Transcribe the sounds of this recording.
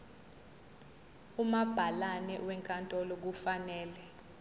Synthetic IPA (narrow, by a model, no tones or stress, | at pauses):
umab̥ʱalanɛ̰wɛŋkʼantʼɔlɔk̬ufanɛːlɛ